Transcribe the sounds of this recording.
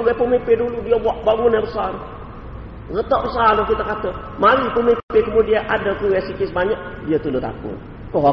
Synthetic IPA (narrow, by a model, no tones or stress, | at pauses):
ɡapəmipɪduludiabaʔbaɡunɛbəsal | rət̪ɔʔbəsalɔkit̪akat̪a | maɾipəmipɪkəmudiaʔadak̪uwɛsikɪsbaɲaʔdiat̪ulʊt̪a̰kʊ̰n | kəɦɔ